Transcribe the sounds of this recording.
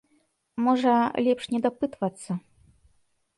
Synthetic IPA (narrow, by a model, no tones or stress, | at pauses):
mɔʐɐlʲɛpʂnʲɛd̪apɨt̪vɐt̪sːɐ